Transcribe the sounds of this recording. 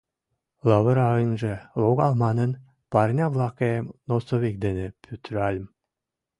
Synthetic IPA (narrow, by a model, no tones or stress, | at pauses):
lɑβəɾɑɤnʒĕlˠoɣɑlmɑnə̆n | pɑrnʲɑβlˠɑkemnosoβʲik̚d̪enepʲʰyt̪ɾɑlʲm